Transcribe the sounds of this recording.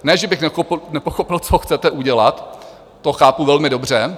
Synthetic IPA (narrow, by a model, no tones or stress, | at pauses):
nɛːʒɛbɪxnɛnɛpoxopɪlt͡soxt͡sɛt̪ɛʔuɟɛlat̪ː | oxaːpuvɛlmɪdo̞br̝ɛ